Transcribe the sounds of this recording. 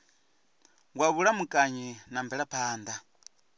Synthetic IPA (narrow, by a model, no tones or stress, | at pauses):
waβulamukʼaɲinambɛɺapʰaːnd̪a